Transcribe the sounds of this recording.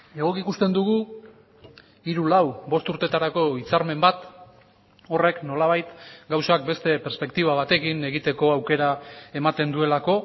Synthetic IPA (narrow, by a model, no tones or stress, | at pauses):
e̞ɣ̞o̞kikust̪e̞nd̪uɣu | iɾulawbo̞st̪uɾt̪e̞t̪aɾako̞it͡saɾme̞mbat̪ | o̞re̞kno̞laβ̞ajt̪ɡawsak̚be̞st̪e̞peɾspe̞kt̪iβ̞aβat̪e̞kine̞ɣit̪e̞ko̞awke̞ɾae̞mat̪e̞nd̪ue̞lako̞